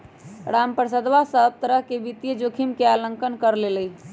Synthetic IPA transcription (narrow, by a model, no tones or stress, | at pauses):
ɾampɾəsəd̪ʋasəb̚t̪əɾəɦkebit̪jəd͡ʒokʰimkealəŋkənkəɾleləj